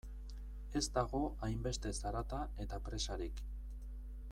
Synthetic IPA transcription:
e̞zd̪aɣ̞o̞ajmbe̞st̪e̞saɾat̪ae̞t̪apɾe̞saɾik

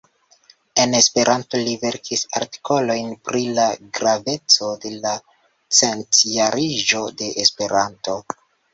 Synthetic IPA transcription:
e̞ne̞spe̞ɾʔanto̞live̞ɾkʰisa̰ɾti̥kʰo̞lo̞jnpɾilaɡɾave̞t͡so̞de̞la | t͡sentijaɾiʒo̞de̞ʔːspe̞ɾanto̞

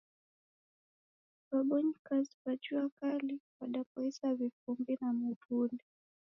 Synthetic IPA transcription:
baɓɔɲikazipat͡ʃuakaliwaɗap̚ɔisavifumbinamutuni

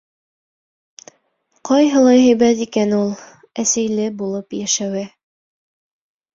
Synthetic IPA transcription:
qɒjɦɤ̆lˠɑjɦæjbæt̪ikænulˠ | æsæjlɘbulˠɤpjæʃæwɘ

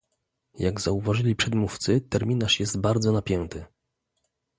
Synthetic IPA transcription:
jaɡzauvaʐɘlʲipʂɛd̪muft̪sɘt̪ɛɾmʲinaʂjɛst̪baɾd̪zɔnapʲjɛnt̪ɘ

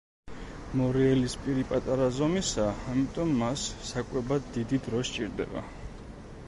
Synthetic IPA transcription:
mɔɾiɛlispʼiɾipʼat̪ʼaɾazɔmisaːmit̪ʼɔmːasːakʼwɛbad̪d̪id̪id̪ɾɔʃt͡ʃʼiɾd̪ɛ̰ba̰

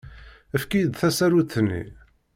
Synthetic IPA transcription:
əfkijd̪θæsæɾuθnːḭ

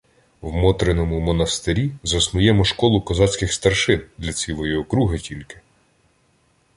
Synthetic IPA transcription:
wmɔt̪ɾenɔmʊmɔnɐst̪eɾʲizɐsnʊjɛmɔʃkɔlˠʊkɔzɑt͡sʲkʲɪxst̪ɐrʃɪnd̪lʲɐt͡sʲilˠɔjiɔkɾuɦɪtʲʰilʲkɪ̥

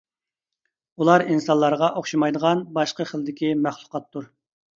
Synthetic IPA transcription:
ulˠɑɾinsɑnlˠɑɾʁɑʔoχʃimɑjd̪əʁɑnbɑʃqəχəlˠɨd̪ɪkʲimæχlˠʊ̥qɑt̪ʰːuɾ

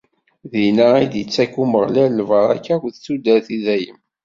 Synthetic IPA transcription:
ðinaid̪jət͡sːækuməʁlælvəɾˤæ̰kːækʷθt͡sːud̪æθiðæjə̰m

